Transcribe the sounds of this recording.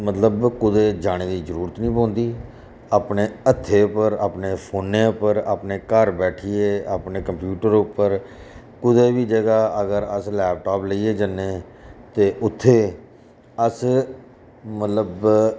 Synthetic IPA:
mət̪ləbkʊd̪eːd͡ʒaːɽ̃eːd̪iːzəɾuːɾət̪nĩːpɔ̃ːnd̪iː | aːpneːət̪ʰːeːpəɾa̰ːpneːpʰoːnːẽːʊpəɾa̰ːpneːkəɾbɛːʈʰieːaːpneːkəmpjuːʈəɾʊpːəɾ | kʊd̪eːʋiːd͡ʒəɡaːəɡəɾəslɛːp̚ʈaːpləiːeːd͡ʒənːeː | t̪eːʔʊt̪ʰːeː | əs | mət̪ləb

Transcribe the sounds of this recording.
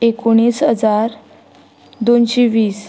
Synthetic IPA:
ekoɽ̃iːsɦəd͡zaɾ | d̪onɕeʋiːs

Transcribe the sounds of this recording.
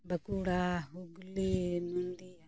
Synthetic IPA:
bəkuɽaɦuɡlinund̪i

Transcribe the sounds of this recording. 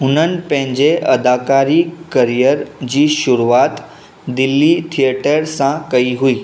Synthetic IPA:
ʊnənɪ̆pə̃ɦɪ̃ɲd͡ʑeʔəd̪akaɾikəɾijəɾd͡ʑiːʃʊɾuat̪ | d̪ɪlːit̪ʰieʈəɾsãkəiɦuiː

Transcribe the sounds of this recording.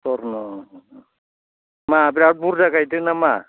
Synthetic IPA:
tɔɾnɔ | maːbiɾabuɾd͡ʒaɡajdɯnama

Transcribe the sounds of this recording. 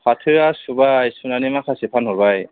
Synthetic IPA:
pʰatʰiɹasubajsunanimakʰasipʰanɦɔbaj

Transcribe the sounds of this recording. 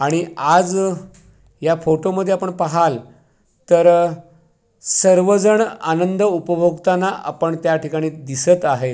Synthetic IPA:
aɽ̃iad͡z | jafoʈoməd̪ʱːeapəɳpaɦal | t̪əɾ | səɾʋəd͡zəɳanənd̪ʱəupəbʱoɡt̪anaʔa̰pəɳt̪jaʈʰikaɽ̃iːd̪isət̪aɦe

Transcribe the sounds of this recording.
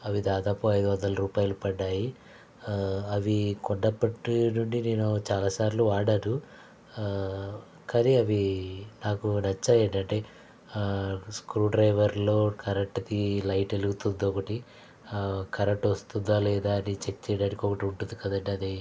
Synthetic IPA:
ɐʋid̪aːd̪aːpuɐjd̪uʋɐnd̪ɐlɐɾuːpaːjɐlupɐɖːaːji | ɐʋikɔɖɖɐpːɐʈnuɳɖine̞ːnut͡ʃaːlaːsaːɾluʋaːɽaːɾu | kaːniɐʋinaːkunɐt͡ʃːaːjeːɳʈɐɳʈe̞ː | skɾuːɖɾɐjʋɐɾlo̞ːkʰɐɾek̚ʈɐd̪ilɐjʈeluɡut̪und̪iɔkɐʈi | kɐɾek̚ʈʋɐst̪und̪aːlɛːd̪aːɐnit͡ʃekːt͡ʃɛːjɽaːnikʲiɔkɐʈiuɳʈund̪ikɐd̪ɐɳɖiɐd̪e

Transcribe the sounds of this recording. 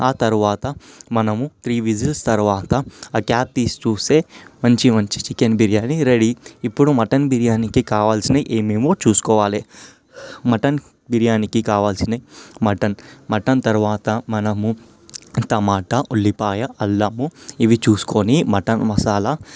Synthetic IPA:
aːt̪ɐɾuʋaːt̪ɐmɐnɐmut̪ɾiːʋid͡ʒilst̪ɐɾuʋaːt̪ɐkaːp̚t̪iːst͡ʃuːseːmɐɲt͡ʃimɐɲt͡ʃi̥t͡ʃikenbiɾijaːniɾeɽiːpːuɽumɐʈɐnbiɾijaːnikikaːʋaːlsinɐʔeːmiːmoːt͡ʃuːsu̥kɔːʋaːleː | mɐʈɐn | biɾijaːnikikaːʋaːlsinɐmɐʈɐnmɐʈɐnt̪ɐɾuʋaːt̪ɐmɐnɐmu | t̪ɐmaːʈɐʔoɭːipaːjɐʔɐlːɐmuiʋit͡ʃuːsu̥konimɐʈɐnmɐsaːlɐ

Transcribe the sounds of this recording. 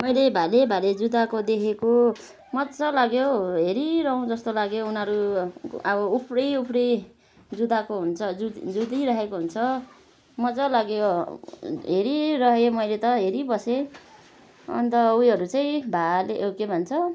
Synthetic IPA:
mʌjlebʱalebʱaled͡zud̪akod̪ekʰeko | mʌt͡sʌlaɡjoɦeɾiɾʌɦõd͡zʌst̪olaɡjounʌɾuʌbʌupʰrʌjupʰrʌj | d͡zud̪akoɦunt͡sʰʌd͡zud̪iɾʌɦekoɦunt͡sʰʌ | mʌt͡sʌlaɡjo | ɦeɾirʌɦemʌjlet̪ʌɦeɾibʌse | ʌ̰nt̪ʌujɦʌɾut͡sʌĩbʱaleʔowkebʱʌnt͡sʰʌ

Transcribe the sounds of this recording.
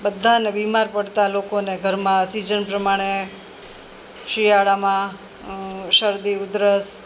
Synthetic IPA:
bəd̪ʱːanebimaɾpəɽt̪alokoneɡʱəɾmãsid͡ʒənpɾəmaɽ̃e | ʃɾiaɭamã | ʃəɾd̪iʊd̪ɾəs

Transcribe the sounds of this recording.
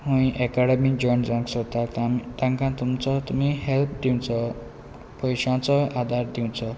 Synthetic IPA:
ɦũjĩʔekaɽemid͡zɔjnd͡zãŋksʰʌt̪at̪ãŋkãt̪umt͡sʰʌt̪umiɦelp̚d̪iw̃t͡sʰʌ | pʌjsãt͡sʰʌad̪ard̪iw̃t͡sʰʌ

